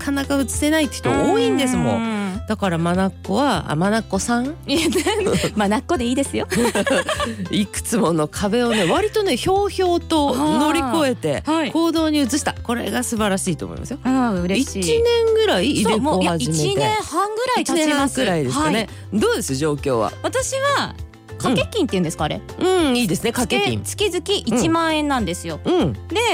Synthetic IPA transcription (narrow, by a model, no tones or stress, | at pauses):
kʰanakaɯ̟t͡sɨ̥se̞nait̪ːe̥ç̥i̥t̪oɡoːĩnd̪esɨmo̞̰d̪̥akaɾamanakːo̞βaa̰manakːo̞sãŋ | manakːod̪eiːd̪e̞sɨjo | ikɯ̥t͡sɨmo̞no̞kʰabe̞o̞ne̞βaɾʲit̪o̞ne̞ço̞ːço̞ːt̪o̞no̞ɾʲiko̞e̞t̪e̞haikʰo̞ːd̪o̞ːɲ̟iɯ̟t͡sɨɕi̥t̪ako̞ɾe̞̰ɡasɨbaɾaɕiːt̪o̰ːmo̰ḭma̰sɨjoaɯ̟ɾeiit͡ɕːinẽ̞ŋɡɯ̟ɾaiːomoojaaʑiimeineẽhãŋɡɯ̟ɾait͡ɕ̪anẽaasɡɯ̟ɾaid̪e̞̥akine | d̪o̞ːd̪e̞sɨoʑo̞ːkʲo̞̰ːβa̰βat̪aɕiβa | kãkekʲːĩnt̪eiɯ̟̃nd̪eɨ̥kaɾḛɯ̟̃iːd̪e̞sɨnekakekʲḭ̃t͡sɨ̥kʲizɨkʲiʔit͡ɕimãɰ̃ẽ̞nːãnd̪e̞sɨjo̞ɯ̟̃ɴd̪e̞